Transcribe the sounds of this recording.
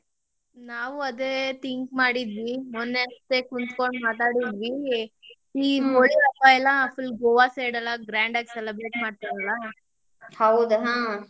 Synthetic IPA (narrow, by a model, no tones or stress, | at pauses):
naːʋuɐd̪eːt̪iŋkmaːɽid̪ʋimonːent̪ekunt̪koɳɖmaːt̪̬aːɽid̪ʋi | iɦoɭiɐpajlapʰilɡoːʋaseɽɐlːaɡɾaːɳɖaɡselebɾeːʈmaːɽ̚t̪iɾɐla | hɐwd̪uɦãː